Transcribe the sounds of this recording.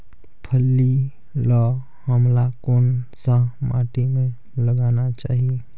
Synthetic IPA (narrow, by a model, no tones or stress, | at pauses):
pʰəlːi | lɔː | həmlakoːnsãma̰ːʈimẽ | ləɡaːnat͡ʃa̰ːɦie